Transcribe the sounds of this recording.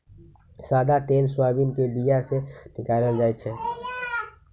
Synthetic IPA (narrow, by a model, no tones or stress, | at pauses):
saːd̪at̪eːlswaːbinkebijasenɪkaːləld͡ʒaːjt͡ʃʰɛː